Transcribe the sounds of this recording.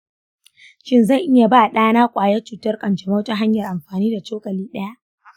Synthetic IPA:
ʃɪ˦nzɐ˦˨ʔɪ˦ja˨baː˦˨ɗaː˦naː˦kʷʼaː˨jɛ˦t͡ʃuː˨tɐ˦rkʼɐ˨nt͡ʃɛ˨ma˦wtɐ˦ɦa˦ɲjɐ˨rʔa˨mɸaː˨niː˦da˨t͡ʃoː˦kʼɐ˨liː˦ɗɐ˦ja˦ʔ

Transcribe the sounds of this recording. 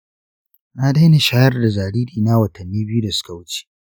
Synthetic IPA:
naː˦da˦jne˨ʃaː˦jɐ˦rda˨zaː˨ɽiː˦liː˨na˦wɐ˨tɐ˨nːiː˦bi˦u˦da˨sʊ̥˦ka˨wʊ˦t͡ʃe̥ː˦

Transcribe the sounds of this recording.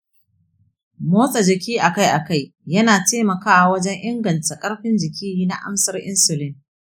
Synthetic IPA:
moː˦sʼɐ˨d͡ʒɪ˨kʲiː˦ʔa˨ka˦jʔa˨ka˦jjɐ˦naː˨teː˦mɐ˨kaː˦ʔa˨wɐ˦d͡ʒɛ˦ŋʔɪ˦ŋɡɐ˨nta˨kʼɐ˦ɽɸɪ˦nd͡ʒɪ˨kʲiː˦jiː˦na˨ʔa̰˦msɐ˦rʔɪ̰˦nsʊ˨lɪ˦ŋ

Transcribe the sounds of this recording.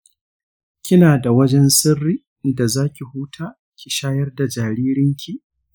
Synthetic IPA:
kʲɪ˦naː˨da˨wɐ˦d͡ʒɛ˦nsɪ˦rːiː˦ | da˨zaː˦kʲi˨huː˦tʰaː˦ | kʲi˨ʃaː˦jɐ˦rda˨d͡ʒaː˨ɾiː˦ɾɪ˦ŋkʲʰi˦˨

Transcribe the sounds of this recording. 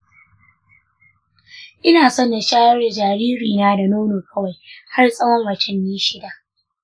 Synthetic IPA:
ʔɪ˦naː˨sɔ˦nda˨ʃaː˦wɐ˦rda˨d͡ʒaː˨ɾiː˦ɾiː˨naː˦da˨noː˦noː˨kʰɐ˦wa˨jha˦rsʼɐ˦wɔ˦ŋwɐ˨t͡ʃɪ˦mjiː˦ʃɪ˦da˨ʔ

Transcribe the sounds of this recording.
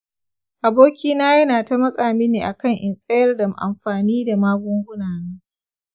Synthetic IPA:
ʔa˨boː˦kʲiː˦naː˦jɐ˦naː˨ta˦mɐ˦sʼaː˨miː˦neː˨ʔa˨kɐ˦˨ŋʔɪ˨nsʼɐ˦jɐ˦rdɐ˨mʔa̰˨mɸaː˨niː˦da˨maː˦ɡʷʊ˦ŋɡʷʊ˦naː˨nɐ˦ŋ

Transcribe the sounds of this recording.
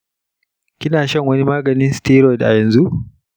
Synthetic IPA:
kʲɪ˦naː˨ʃɐ˦ŋwɐ˦ni˦maː˦ɡɐ˨nɪ˦nstiː˦ɾɔ˦jdʔa̰˨jɐ˨nzu˦ʔ

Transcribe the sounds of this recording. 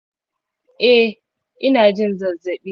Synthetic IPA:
ʔɛ˦ | ʔɪ˦naː˨d͡ʒɪ˦n˦zɐ˨ze˨ɓi˦

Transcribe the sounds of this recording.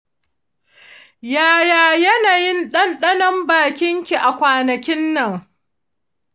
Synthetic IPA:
jaː˨jaː˨jɐ˦naː˨jɪ˦nɗɐ˦nɗɐ˦nɐ˦mbaː˨kʲɪ˦ŋkʲi˨ʔa˨kʷaː˨nɐ˨kʲɪ˦nːɐ˨ŋ

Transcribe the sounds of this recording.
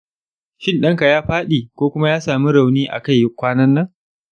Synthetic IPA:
ʃɪ˦nɗɐ˦ŋka˨jaː˦ɸaː˦ɗiː˨kʷoː˦kʷʊ˦ma˦jaː˦saː˨mi˦ɾa˨wniː˦ʔa̰˨ka˦˨jːʊ˦kʷːaː˦nɐ˦nːɐ˦ŋ

